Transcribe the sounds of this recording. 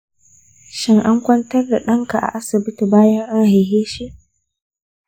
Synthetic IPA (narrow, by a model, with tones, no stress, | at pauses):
ʃɪ˦ŋʔa˦ŋkʷɐ˦ntɐ˦rda˨ɗɐ˦ŋka˨ʔa̰˨ʔa˦sɪ˨bɪ˦ti˨baː˦jɐ˦ŋʔa˦ŋha˨jɦeː˦ʃi˦ʔ